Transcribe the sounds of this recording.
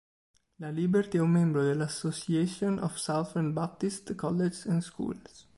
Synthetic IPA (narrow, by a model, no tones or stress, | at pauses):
lalibɛɾt̪iɛumːɛ̃mbɾod̪elasosiɛsjonʔɔ̰fsawθɛ̃nbap̚t̪ist̪kɔlːed͡ʒsɛ̃nskṵls